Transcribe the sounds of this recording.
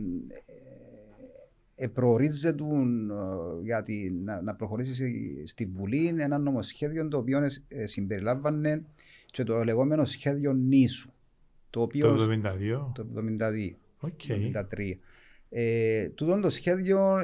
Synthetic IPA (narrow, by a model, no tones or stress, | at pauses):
epɾoːɾizːe̞t̪un | ʝɐt̪innɐpɾo̞xo̞ɾis̬isst̪iːuline̞nɐnːo̞mo̞sçe̞ðjo̞nt̪oːpio̞nsimbe̞ɾilɐvːɐnːe̞ | t͡ʃe̞t̪ole̞ɣo̞me̞no̞sçe̞ðjo̞nːisu̥ | t̪oːpiovðomind̪ɐðiot̪ovðomind̪ɐðio | oeid̪ɐt̪ɾiɐ | et̪ut̪o̞nt̪o̞sçe̞ðʝo̞